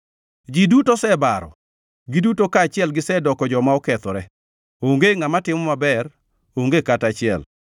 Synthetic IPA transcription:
d͡ʒidutosɛbaɾɔ̰ | ɡɪdutokaːt͡ʃɪɛlɡɪsɛdɔkɔd͡ʒɔmaɔkɛt̪ɔɾɛ | oŋɡeŋamatɪmɔmabɛr | oŋɡekatat͡ʃɪɛ̰l

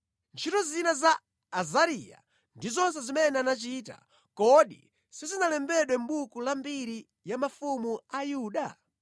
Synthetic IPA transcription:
nt͡ʃʰitɔzinazaː | zaɾija̰ | ndizɔns̬ɛzimɛnɛanat͡ʃiːta̰ | kɔɗḭ | sizinalɛmbɛɗwɛm̩ɓukulambiɾi | jamafumuajuːɗa

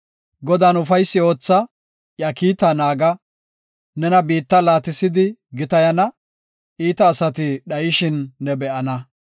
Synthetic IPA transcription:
ɡɔd̪aːnʊfɐjsːɪo̞ːt͡sːɐ | jɐkiːt̪ːɐnaːɡɐ | nɛnɐbiːt̪ːɐlaːt̪ɪsɪd̪ɪɡɪt̪ɐjɐnɐ | ʔiːt̪ɐːsɐt̪ɪɗɐjɪʃɪnːɛbɛʔɐnɐ

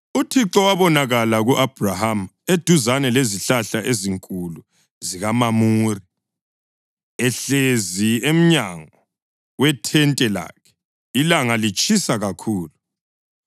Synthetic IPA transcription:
utʰiǁɔwaβɔnaɣalaɣuʔab̥ʱraham | ed̥ʱuzanɛleziɬaɬaʔeziŋkʼulu | ziɣamamuːri | ɛɬeziem̩ɲaŋɔ | wɛtʰɛntʼɛla̰ːkʰɛ̥ | ilaŋalit͡ʃʼisaɣakʰuːlu

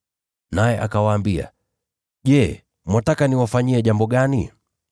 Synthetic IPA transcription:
najɛʔakawaːmbia̰ | ʄɛː | mwatakaniwafaɲiɛʄambɔɠani

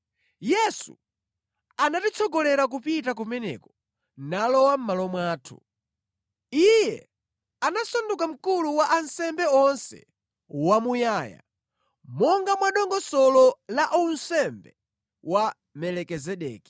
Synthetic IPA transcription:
jɛsṵ | anatit͡sʰɔɡɔlɛɾak̬upitak̬umɛnɛ̰kɔ | nalɔwam̩malɔmwaːtʰu̥ | ijɛ | anasɔndukam̩kuluwaʔansɛmbɛɔnsɛ̰ | wamujaːja̰ | mɔŋɡamwaɗɔŋɡɔsɔlɔlaʔun̩sɛmbɛ | wa | mɛlɛkɛzɛɗɛ̰ːki̥

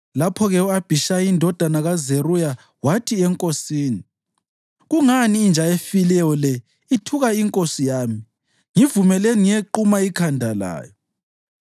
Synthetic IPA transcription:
lapʰɔɣɛuab̥ʱiʃajindʱɔd̥ʱanaɣazeruja | watʰiɛŋkʼosiːni | ɣuŋaniːnd͡ʒʱaefilɛjɔlɛ | itʰuɣaiŋkʼosijaːmi | ŋivumɛlenŋieǃumaikʰandʱala̰ːjɔ

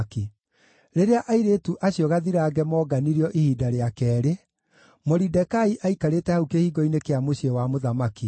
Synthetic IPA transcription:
ki | ɾeɾeaʔaiɾeːtuʔaɕjɔɣaðiɾaːɡɛmɔːɡaniɾiɔʔihiːdaɾeakɛːɾe | moɾidɛkaiʔaikaɾetɛhaukehiːɡɔinekeamoɕiewamoðamaki

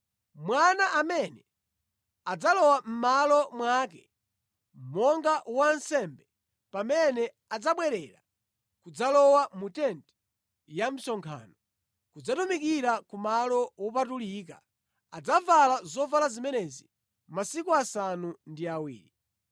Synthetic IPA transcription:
mwanaʔamɛnɛ | ad͡zalɔwam̩malɔmwakɛ | m̩mɔŋɡawansɛmbɛ | pamɛnɛ | ad͡zaɓwɛɾɛɾa | kud͡zalɔwamutɛntɛ̥ | jam̩sɔŋkʰa̰ːnɔ | kud͡zatumik̬iɾakumalɔwɔp̬atuliːk̬a | ad͡zavalazɔvalazimɛnɛzi | masikuasanundiawḭːɾi

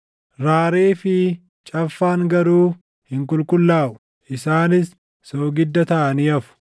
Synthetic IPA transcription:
ɾaːɾeːfɪ | t͡ʃʼɐfːaːŋɡɐɾuː | hɪŋkʊlkʊlːaːʔʊ̥ | ʔɪsaːnɪsː | oɡɪd̪ːɐt̪ɐʔɐniːɐfʊ̥

